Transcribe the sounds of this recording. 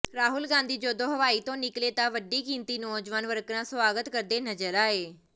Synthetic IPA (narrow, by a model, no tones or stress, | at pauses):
ɾaːɦʊlɡãːnd̪iːd͡ʒoːd̪oːɦəʋaːiːt̪õːnɪkleːt̪ãːʋəɖiːkĩːnt̪iːnɔːd͡ʒʋaːnʋəɾkɾãːsʋaːɡət̪kəɾd̪eːnəd͡ʒəɾaːeː